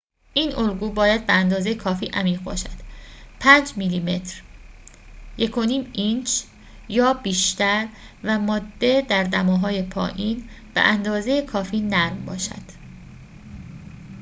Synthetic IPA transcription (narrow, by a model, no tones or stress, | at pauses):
ʔiːnolɡuːbɒːjæd̪̚beænd̪ɒːzejekʰɒːfiːʔæmiːʁbɒ̰ːʃæd̪̥pʰænd͡ʒmiːliːme̞t̪ʰɾ | jekʰo̞niːmint͡ʃ | jɒːbiːʃt̪ʰæɾ | væmɒːd̪ːe̞d̪æɾd̪æmɒːɦɒːje̞pʰɒ̰ːʔiːn | b̥ḛʔænd̪ɒːzejekʰɒːfiːnæɾmbɒ̰ːʃæ̰d̪̥